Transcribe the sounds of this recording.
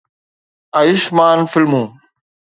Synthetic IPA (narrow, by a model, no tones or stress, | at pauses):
ajɪʃmaːnfɪlmũː